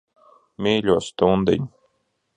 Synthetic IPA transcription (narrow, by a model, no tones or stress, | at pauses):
mʲiːlʲuːst̪und̪ɛ̰ɲu